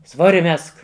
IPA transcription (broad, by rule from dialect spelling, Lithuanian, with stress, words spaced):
ˈsʋoːrʲɪ ˈmʲɛsk